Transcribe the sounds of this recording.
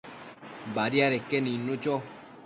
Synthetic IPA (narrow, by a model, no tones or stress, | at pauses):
baɾiaɾekːeninːut͡ʃɔ